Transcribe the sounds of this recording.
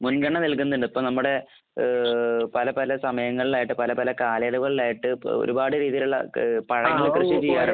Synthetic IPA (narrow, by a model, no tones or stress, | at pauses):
munɡɐɳːɐnelkunːɐðuɳɖɐpːomnɐmːuɽe̞ | pɐlɐpɐlɐsɐmɐjɐŋːɐɭilaːjiʈːɨpɐlɐpɐlɐkaːlɐjɐɽuɣɐɭilaːjiʈːɨo̞̰ɾubaːɽɨɾiːðijiluɭːɐ̰pɐɻɐŋːilkrɐɕːit͡ɕijːaːɾ